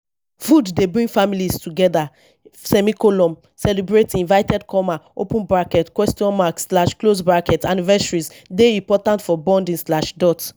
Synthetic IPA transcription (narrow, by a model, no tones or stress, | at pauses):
fudːebɹĩŋɡfamiliztuɡɛda | sɛmikolɔ̃m | sɛlibɹetĩnvajtɛdkʰɔmaopũnbɹakɛtkwɛstijɔ̃nmakslaʃklosbɹakɛtanivɛsaɹiz | deĩmpɔtãntfɔbɔ̃ndĩŋslaʃdɔt